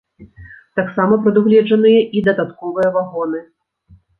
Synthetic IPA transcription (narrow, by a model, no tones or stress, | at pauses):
t̪aksamɐpɾɐd̪uɣlʲɛd͡ʐɐnɨjɐʔid̪ɐd̪at̪kɔvɨjɐvaɣɔnɨ